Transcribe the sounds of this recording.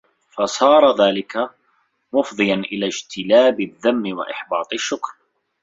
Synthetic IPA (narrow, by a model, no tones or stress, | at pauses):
fasˤɑːɾˤɑðaːlɪka | mʊfðˤɨjanʔɪlaːd͡ʒt̪ʰɪlaːbɪðːamːɪwa̰ʔɪħbɑːt̪ˤɪʃːʊkɾ